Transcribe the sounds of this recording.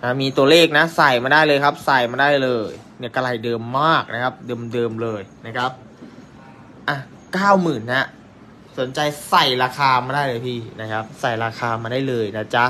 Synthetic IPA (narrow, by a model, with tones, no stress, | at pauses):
na˦˥miː˧t̪u˧ɐleː˥˩k̚na˦˥sa˨˩jmaː˧daː˥˩jlɤː˧jkʰa˦˥p̚sa˨˩jmaː˧daː˥˩jlɤː˧jni˦˥˩ɐka˧la˧˩jdɤː˧mːaː˥˩k̚na˦˥kʰa˦˥p̚dɤː˧mdɤː˧mlɤː˧jna˦˥kʰa˦˥p̚ | ʔa˧˩ | kaː˥˩wmɯː˨˩nːa˦˥ | so˨˩˦nt͡ɕa˧jsa˨˩jɾaː˧xʰaː˧maː˧daː˥˩jlɤː˧jpʰiː˧˥˩na˦˥kʰa˦˥p̚sa˨˩jɾaː˧xʰaː˧maː˧daː˥˩jlɤː˧jna˦˥˩t͡ɕa˦˥